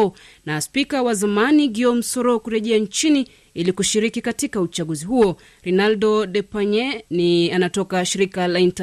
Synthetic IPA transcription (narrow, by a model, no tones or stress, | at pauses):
ɔ | naspikawazamaniɡiɔm̩sɔɾɔkuɾɛʄɛaɲt͡ʃini | ilikuʃiɾikikatikaut͡ʃaɠuzihuɔ | ɾinaldɔɗɛpaɲɛnianatɔkaʃiɾikalainta